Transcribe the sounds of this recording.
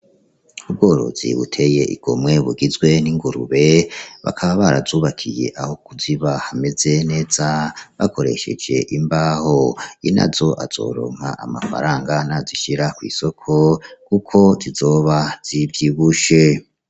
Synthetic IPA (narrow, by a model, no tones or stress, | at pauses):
ub̚ɡo̞ːɾo̞̰zḭβṵtʰe̞je̞ʔḭɡ̥omŋe̞βuɡizɡwe̞niŋɡuɾṵβe̞βa̰kʰaβaβaɾa̰zuːβakʰije̞̰ʔaho̞kuziβahame̞ze̞ne̞ːz̥aβakʰo̞ɾe̞̰ʃe̞̰d͡ʒe̞̰ʔimbaːhoina̰zo̞ʔaz̥o̞̰ːɾo̰ːŋ̥ha̰ʔamafa̰ɾaːŋɡanaziʃiɾakwḭːso̞kʰo̞kukʰo̞zizo̞ːβaz̥ivjiːβuʃe